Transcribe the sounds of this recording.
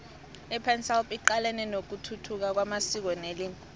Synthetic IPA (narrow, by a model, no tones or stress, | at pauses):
ipʰɛnsɛlpʼiǃalɛnɛnok̬utʰutʰuk̬ak̬wamasik̬wɔnelinʼ